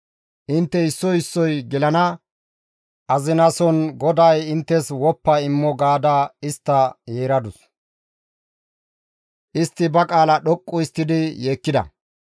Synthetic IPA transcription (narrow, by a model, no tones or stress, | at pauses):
ʔɪnt̪ːɛɪsːɔɪsːɔjɡɪlɐnɐ | ʔɐzɪnɐsɔnɡɔd̪ɐjɪnt̪ːɛswɔpːɐɪmːɔɡaːd̪aɪst̪ːɐjeːɾɐd̪ʊs | ʔɪst̪ːɪbɐkʼaːlɐɗɔkʼːʊɪst̪ːɪd̪ɪjeːkːɪd̪ɐ̰